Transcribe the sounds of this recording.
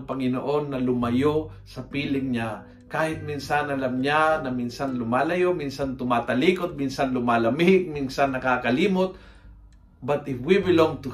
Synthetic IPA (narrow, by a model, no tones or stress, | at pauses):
pɐŋɪnoʔo̞nːɐlʊmɐjo | sɐpiːlɪŋɲa | kaːhɪt̪̚minsanɐlɐmɲanɐminsanlʊmaːlɐjominsɐnt̪ʊmaːt̪ɐliːkot̪̚minsanlʊmaːlɐmɪɡ̚minsanːɐkaːkɐliːmot̪̚ | bɐt̪ɪbwibɪloŋt̪ʊ